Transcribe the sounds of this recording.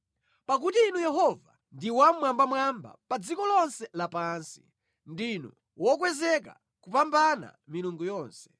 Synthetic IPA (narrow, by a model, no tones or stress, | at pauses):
pak̬utiːnujɛɦɔva | ndiwamwambamwamba̰pad͡zikɔlɔnsɛlapansi̥ | ndinṵ | wɔkwɛzɛk̬a̰ | kupambana̰miluŋɡujɔːnsɛ̥